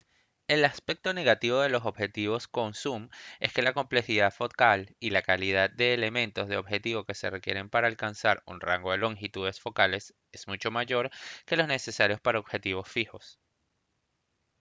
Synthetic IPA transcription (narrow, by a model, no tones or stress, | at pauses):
e̞laspe̞k̚t̪o̞ne̞ɣat̪iβo̞ð̞e̞lo̞so̞bxe̞t̪iβ̞o̞sko̞nsume̞ske̞lako̞mple̞xiðaðfo̞kalilakaliðad̪̚d̪e̞ːle̞mẽ̞nt̪o̞zðe̞o̞βxe̞t̪iβo̞ke̞se̞rekje̞ɾe̞mpaɾaːlkansaɾṵnra̰ŋɡo̞ðe̞lo̞ŋxit̪uðe̞sfo̞kale̞s | e̞z̥mut͡ʃo̞maʝo̞ɾke̞lo̞zne̞se̞saɾjo̞spaɾaoβ̥xe̞t̪iβ̞o̞sfixo̞s